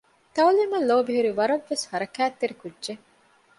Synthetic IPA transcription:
t̪ɐwliːmɐlːoːbiɦuɾiʋɐɾɐʋːeshɐɾɐkæːt̪ːeɾikudːʒe

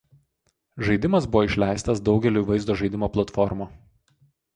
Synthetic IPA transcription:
ʒɐɪd̪ʲɪmɐsbʊʋoːɪʃʲlʲæˑɪst̪ɐsd̪ɒʊɡʲɛlʲuːiʋɐɪzd̪oːʒɐɪd̪ʲɪmoːplˠɐt̪fɔɾmoː

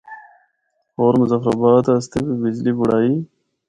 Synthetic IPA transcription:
oːɾmuzɐfɾabaːt̪ast̪ebibid͡ʑlibuɽaːi

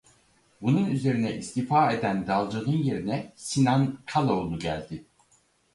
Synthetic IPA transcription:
bununyze̞ɾinɛʔist̪ifaːe̞d̪ænd̪alˠd͡ʒanɯnje̞ɾinɛsinankʰalˠolˠnuɟæ̰lʲd̪ɪ

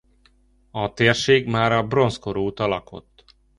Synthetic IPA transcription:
ɒt̪eːrʃeːɡmaːɾɒbro̞nskoɾoːt̪ɒlɒkʰo̞̰t̪ː

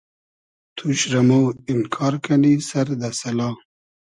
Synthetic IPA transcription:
t̪ʰuɕɾamowɪmkʰɑːɾkʰanisɐɾd̪asɐlɑː

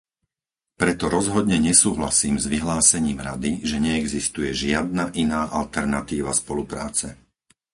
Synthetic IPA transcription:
pɾɛt̪ɔɾɔzɦɔd̪ɲɛɲɛsuːɦlasiːmzʋiɦlaːsɛɲiːmɾa̰d̪iʒɛɲɛɛɡzist̪ujɛʒɪad̪̚naʔinaːʔalt̪ɛɾnat̪iːʋaspɔlupɾa̰ːt͡sɛ

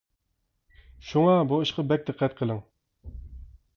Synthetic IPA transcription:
ʃuŋɑbuiʃqɑbɛk̚ʲd̪ɨqʰːɛt̪̚qʰəlˠɨŋ

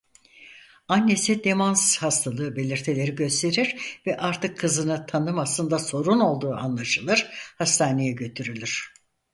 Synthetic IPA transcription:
anʲːe̞sid̪e̞manzhast̪ʰalˠɯːbe̞lʲiɾt̪ʰelʲe̞ɾiɟø̞st̪ʰe̞ɾiɾvɛʔaɾt̪ʰɯkʰːɯzɯnɯt̪ʰanɯmaslˠɯnd̪aso̞ɾuno̞lˠd̪uːanlˠaʃɯlˠɯɾ̥hast̪ʰaːne̞jɛɟø̞t̪ʰyɾylʲyɾ̝̥

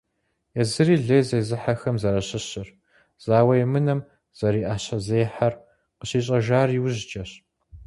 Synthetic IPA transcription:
jɛzɨriːɮɐjzejzɨħaxɐmzɐɾɐɕɪɕɪr | z̥aːwɐjɛmɨnɐm | z̥ɐɾiːʔaːɕɐzeːħar | qəɕiːɕʼɐʒaːriwʑt͡ʃʼɐɕ

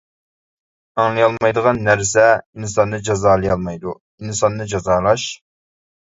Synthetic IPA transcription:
ɑŋlˠɨjɑlˠmɑjd̪əʁɑnːæɾsɛinsɑnːɨd͡ʒɑzɑːlˠɨjɑlˠmɑjd̪u | insɑnːɨd͡ʒɑzɑːlˠɑʃ

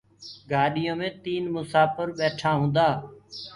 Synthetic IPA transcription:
ɡaːɗɪjõːmẽːt̪iːnmʊsaːfəɾɓeːʈʰaːɦũːnd̪aː

